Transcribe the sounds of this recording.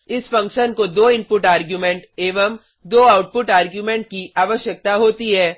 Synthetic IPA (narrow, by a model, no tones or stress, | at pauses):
ɪsfɐ̃ŋkʃənkod̪oːɪ̃mpʊʈaːɾɡjuːmẽɳʈeːʋəm | d̪oːaːʊʈ̚pʊʈaːɾɡjumẽɳʈ̚kiʔaːʋəʃjək̚t̪aɦoːt̪iɦɛː